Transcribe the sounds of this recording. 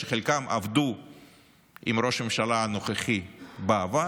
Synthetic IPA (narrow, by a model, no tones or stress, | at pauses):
eχelkamʔa̰vd̪u | imɾo̞ʃmemʃalanoχeχibava